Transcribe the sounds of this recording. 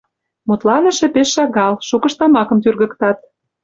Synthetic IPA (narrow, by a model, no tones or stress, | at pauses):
mut̪lɑnə̆ʃĕpeʃːɑɣɑlʃukə̆ʃt̪ɑmɑkɤ̆mt̪yrɣə̆kt̪ɑt̪̚